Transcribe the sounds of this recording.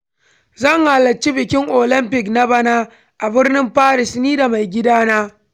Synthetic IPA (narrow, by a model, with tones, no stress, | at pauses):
zɐ˦˨ŋhaː˨lɐ˨t͡ʃːi˦bɪ˨kʲɪ˦ŋʔo˨lɪ˦mpɪ˨kna˦ba˦naː˦ | ʔa˨bɪ˦rnɪ˦mɸaː˦ɾɪ˨sniː˦da˨ma˨jɡʲɪ˦daː˦naː˦